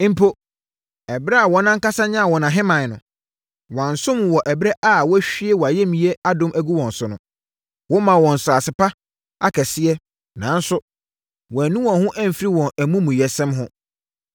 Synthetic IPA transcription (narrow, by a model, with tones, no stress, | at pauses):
m̩˦pʰo˦ | ɛ˨bɾɛ˦a˨wɔ˦nã˦ŋ̩˦ka˦sa˦ɲã˦˨wɔ˨nã˨ɦɪ̃˦mã˨nʊ̃˨ | wã˨n˨sʊ̃˦m˨wɔ˨ʔɛ˨bɾɛ˦ʔa˦˨wɔ˦æ˦ɕᶣi˦ɛ˦wɔ˨a˨jɛ˦mĩ˨˦ɛ˦a˦dʊ̃˦mʔæ˦ɡu˦wɔ̃˨n˨sʊ˨nʊ̃˨˦ | wɔ̃˦mã˨wɔ̃˨n̩˨sʊ˨a˨sɪ˨pa˦ | a˦kʰɛ˨sɪ˦ɛ˦ | nã˨˦n̩˦sʊ˦ | wɔ̃˨æ˨nũ˦wɔ̃˨ɦʊ̃˦ʔæ̃˦m̩˨fɾi˦wɔ̃˨nʔæ˨mũ˦mũ˨jɛ˨sɛ̃˦mɦʊ̃˦